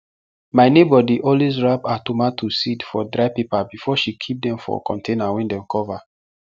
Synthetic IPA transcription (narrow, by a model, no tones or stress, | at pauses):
maɪnebɔdiʔɔlwezɹapatumatʰusidfɔdɾaɪpepabifɔʃikʰip̚dɛ̃mfɔ̰kʰɔ̰̃ntʰenawɛ̃ndɛ̃mkʰɔva